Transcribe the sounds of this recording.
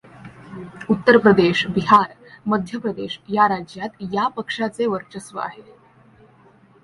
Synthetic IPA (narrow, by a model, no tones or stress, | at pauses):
ut̪ːəɾpɾəd̪eɕbiɦaɾməd̪ʱjəpɾəd̪eɕjaɾad͡ʑjat̪japəkʂat͡seʋəɾt͡ɕəsʋə̰a̰ɦe